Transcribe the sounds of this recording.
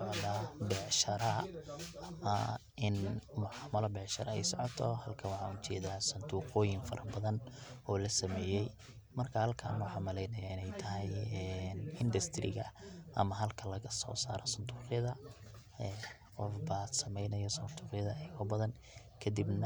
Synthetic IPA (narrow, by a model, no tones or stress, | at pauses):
sɔʕðabɛʕʃɐɾɐɐmɐ | ɪnmʊʕɑːmɐlɔbɛʕʃɐɾɐɛjsɔʕɔt̪ʰɔhɐlkʰɐwɑħɑut͡ʃɛ̰ːðaːsɐnt̪ʰuːqɔːjɪŋfɐɾɐbɐðɐnɔːlɐsɐmɛːjɛj | mɐrkʰɐhɐlkʰa̰ːnwɑħɑmɐlɛjnɐjaːɪnɛjt̪ʰɐɦɛjɛnɪnd̪ɐst̪ʰɾɪ̰ɣɐ̰ʔɐmɐɦɐlkʰɐlɐɣɐsɔ̰ːsa̰ːɾɔsɐnt̪ʰuːqjɐðɐ | ɛ | qɔfbaːsɐmɛjnɐjɐsɐnt̪ʰuːqɪjɐðɐɛjɣɐbɐðɐn | kʰɐd̪ibnɐ